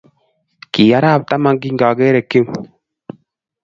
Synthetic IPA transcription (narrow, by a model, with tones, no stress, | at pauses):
kiː˨ja˦ɾa˦˨b̚t̪a˦ma˦ɡi˦ŋ˦ɡaː˨ɡe˦ɾe˨kːi˦m